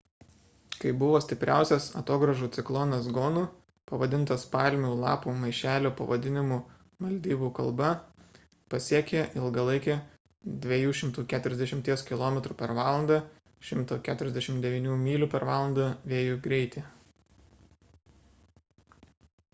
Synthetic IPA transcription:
kɐɪbʊʋoːsʲt̪ʲɪpʲɾʲæˑʊsʲɛsɐ̰t̪oːɡɾɐʒuːt̪sʲɪklˠɔːnɐsɡoːnuː | pɐʋɐd̪ʲɪnt̪ɐspɑlʲmʲuːlˠɑ̰ːpuːmɐɪʃʲæːlʲoːpɐʋɐd̪ʲɪnʲɪmu | mɐlʲd̪ʲiːbuːkɐ̰lˠbɐ | pɐsʲiɛkʲeːʔɪlˠɡɐlˠɐɪkʲe | d̪ʲʋʲɛjuːʃʲɪmt̪uːkʲæːt̪ʊɾʲɛzʲd̪ʲɛʃʲɪmʲt̪ʲiɛskʲɪlˠoːmʲɛt̪ɾuːpʲɛɾʋɑːlˠɐnd̪ɑ | ʃʲɪmt̪oːkʲæːt̪ʊɾʲɛzd̪ʲɛʃʲɪmt̪d̪ʲɛʋʲiːnʲuːmʲiːlʲuːpʲɛɾʋɑːlˠɐnd̪ɐʋʲeːjʊɡɾʲɛɪt̪ʲe

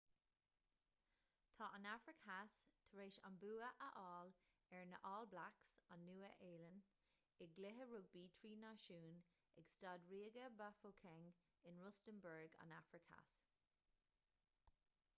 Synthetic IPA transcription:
t̪ʰɑːʔanafɹɪkast̪ʰəɹeːʃa̰nbuːəʔəʔɑːl | ɛɹnə̰ʔɑːlblaksanːuːəʔeːlən | ɪɡ̚ɡlɪɦəɹʊbiːtʰɹiːnaʃuːn | ɛɡstɑːdɹiːɡəbafokʰɛŋ | ɪnɹʊstənbəɹɡa̰nafɹɪkʰha̰s

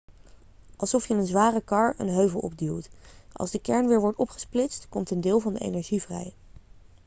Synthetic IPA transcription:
ʔɑlˠsɔfjənənzʋaːrəkɑɹə̰nɦøɥvəlˠɔ̰b̚dilˠtʔɑ̰lˠzdəkɛɹnʋɪːɹʋɔɹtɔpχə̥splɪstkɔmtəndɪːlˠvɑndəḛjnɛɹʒivrɛ̰j

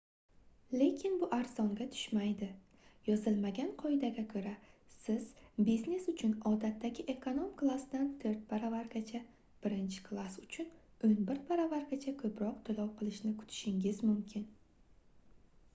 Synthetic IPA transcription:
le̞kʲʰɪnbʊʔaɾzɒŋɡʲat̪ʰʊ̥ʃmajd̪ɪ | jɒzɪlmaɡʲanqʰɒjd̪aɡʲakʰɵɾasɪz̥bizne̞sʊt͡ʃʰʊnɒd̪at̪ʰːaɡʲɪʔe̞kʰonomklˠasd̪ant̪ʰɵɾt̪̚pʰaɾavaɾɡʲat͡ʃʰa | b̥ɪɾɪnt͡ʃʰɪ̥kʰlˠasʊt͡ʃʰʊn | ɵnbɪɾt̪pʰaɾavaɾɡʲat͡ʃʰakʲʰɵpɾɒq̚t̪ʰʊlɒwqʰɨlˠɪʃnɪkʰʊ̥t̪ʰɪ̥ʃɪŋʲɪzmʊmkʲʰɪn

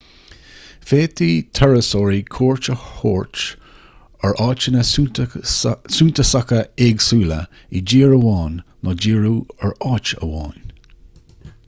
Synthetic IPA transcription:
feːt̪ʰiːt̪ʰɛɹəsoːɹikʰoːɹt͡ʃəhoːɹt͡ʃ | əɹʔɑːt͡ʃənəs | suːnt̪əsakəɛɡsuːlə̰ | id͡ʒiːɹəwɑːnːɔd͡ʒiːɹuːəɹɑːt͡ʃə̰wɑːn

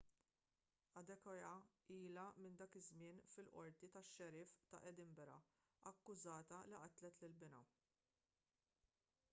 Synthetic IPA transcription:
ɐd̪ɛkɔjɐiːlɐmɪnd̪ɐːkɪzmɪːnfɪlʔɔ̰ɾt̪it̪ɐʃːɛɾɪːft̪ɐ̰ʔɛd̪ɪmbɛɾɐ̰ | ɐkːʊzɐːt̪ɐliʔɐt̪lɛt̪lɪlbɪnɐ̰

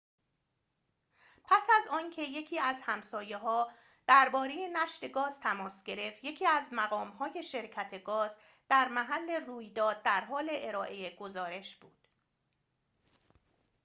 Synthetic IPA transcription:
pʰæsæzɒːncʰe̞je̞cʰiːæzhæmsɒːje̞ɦɒː | d̪̥æɾbɒːɾe̞je̞næʃt̪e̞ɡɒːz̥t̪ʰæmɒːsɟe̞ɾe̞ft̪je̞cʰiːæzmæɣɒːmhɒːje̞ʃe̞ɾcʰæt̪ʰe̞ɡɒːz | d̪̥æɾmæɦælːe̞ruːjd̪ɒːd̪̚d̪æɾɦɒːle̞ʔeɾɒːʔe̞jeɡo̞zɒːɾe̞ʃb̥uːd̪̥

